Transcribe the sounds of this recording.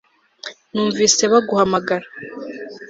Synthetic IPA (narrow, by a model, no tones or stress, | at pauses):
nuːɱviːse̞βaɡuhamaɡaɾa